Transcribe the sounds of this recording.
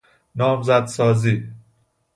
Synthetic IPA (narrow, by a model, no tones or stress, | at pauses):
nɒːmzæd̪sɒːziː